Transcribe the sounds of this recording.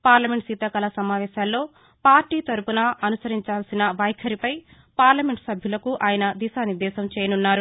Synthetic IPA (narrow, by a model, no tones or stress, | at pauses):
paːɾlɐme̞ɳʈsit̪ɐkɐlɐsɐmaːʋɛːʃaːlːo̞ː | paːɾʈiːt̪ɐɾupunɐɐnusɐɾiɲt͡ʃaːlsinɐʋɐjkʰɐɾipɐj | paːɾlɐme̞ɳʈsɐbʱjulɐkuʔaːjɐnɐd̪isaːniɾd̪ɛːʃɐmt͡ʃɛːjɐnunːaːɾu